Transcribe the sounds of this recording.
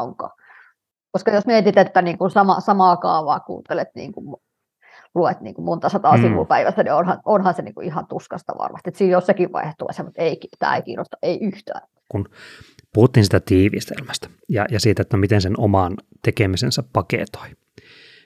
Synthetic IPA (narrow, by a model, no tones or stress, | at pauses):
oŋkɑ̰ | koskɑjosmiet̪it̪et̪ːæniːŋkunsɑmɑ̰sɑmɑːkɑ̰ːʋɑːkṵːt̪elet̪nḭːŋkum | luet̪nḭːŋkummont̪ɑsɑt̪ɑːsiʋṵpæiʋæsːænionhɑnonhɑnsenḭːŋkṵʔihɑnt̪uskɑst̪ɑ̰ʋɑ̰rmɑ̰st̪iet̪siːjjossekiʋʋɑ̰ihet̪ːoɑ̰isemut̪eikit̪æ̰ːekḭːro̰st̪ɑʔeiyht̪æ̰ːn | kunpuhut̪ːiːnsit̪æt̪iːʋḭst̪ḛlmæst̪æ̥jɑ̰jɑsiːt̪æot̪ːæmit̪ensenomɑnt̪ekemisensæppɑkḛt̪o̥i